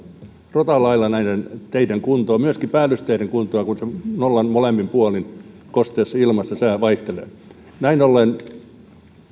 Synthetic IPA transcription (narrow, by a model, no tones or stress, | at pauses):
rot̪ɑlɑilːˑɑnæinent̪eiteŋkunt̪oːmyøskipæːlːyst̪eiteŋkunt̪oɑkunsenolːɑnmolempimpuolin | kost̪eːsːɑilmɑsːɑsæːˑʋɑiht̪elḛː | næinolːˑen